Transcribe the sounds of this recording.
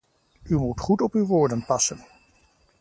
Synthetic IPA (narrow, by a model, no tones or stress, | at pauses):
ymutχutɔpywʋʊːɹdənpɑsən